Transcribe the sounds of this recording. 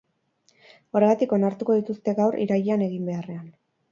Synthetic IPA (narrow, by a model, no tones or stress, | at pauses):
o̞ɾe̞ɣat̪iko̞naɾt̪uko̞ðit̪ust̪e̞ɣawrḭɾaʎeane̞ɣimbe̞are̞an